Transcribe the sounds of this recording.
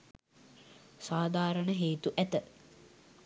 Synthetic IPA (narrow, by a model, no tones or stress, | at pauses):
saːd̪ʱaːɾəɳəɦeːt̪uʔæt̪ə